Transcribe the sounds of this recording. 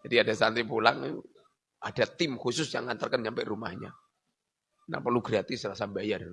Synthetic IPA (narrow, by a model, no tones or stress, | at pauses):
d͡ʒadiadasant̪ɾipula̰ŋ | ad̥at̪ɪmhusʊsja̰ŋːant̪ərkənɲampɛʔrumahɲa̰ | na̰pərluɡɾiat̪ɪsɾasabajar